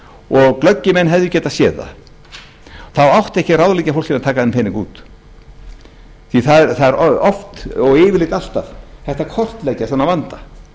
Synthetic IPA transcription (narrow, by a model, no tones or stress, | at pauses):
ɔɣklœcːɪmɛnːɦɛvðʏcɛːt̪asjɛːða̰ | θawawht̪ɛhcɪrawðlijcafowl̥cɪnat̪ʰaːkaðɛnmpʰejniŋkṵːt̪ | θiθaðɛɾθaðɛɾɔft̪ɔɣɪːvɪɾlɪːt̪al̥t̪avθɛht̪akʰɔr̥t̪leːjcasanːavant̪a